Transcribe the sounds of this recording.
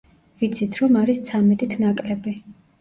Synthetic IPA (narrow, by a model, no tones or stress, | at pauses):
vit̪sʰit̪ʰɾɔmaɾist̪sʰamɛt̪ʼit̪ʰnakʼlɛbi